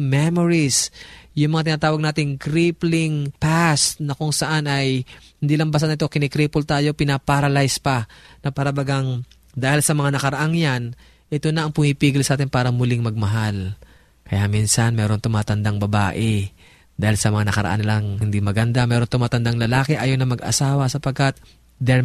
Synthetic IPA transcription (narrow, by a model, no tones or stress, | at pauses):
mɛmoɾisjʊŋmɐŋat̪̬ɪnaːt̪aːwɐɡ̚naːt̪ɪŋkɾiplɪŋpast̪nɐkʊŋsɐʔanɐjhɪnd̪iːlɐŋbɐs̬anʔɪt̪o̞kɪnɛkɾiːpʊlt̪aːjo̞pɪnapaɾɐlajspɐnɐpaːɾɐbaɡɐŋ | d̪aːhɪlsɐmɐŋanɐkɐɾɐʔaŋjan | ʔɛt̪onɐʔɐŋpʊmiːpiːɡɪlsʔaːt̪ɪnpaːɾɐmʊlɪŋmɐɡ̚mɐɦal | kɐjaminsɐnmɛːɾo̞nt̪ʊmaːt̪ɐnd̪aŋbɐba̰ːʔɛ | d̪aːhɪlsɐmɐŋanɐkɐɾɐ̰ʔa̰nɐlɐŋhɪnd̪imɐɡɐnd̪amɛːɾont̪ʊmaːt̪ɐnd̪aŋlɐlaːkɛʔaːjonɐmɐɡʔɐ̰saːwɐsɐpɐɡ̚kat̪̚ | d̪ɛ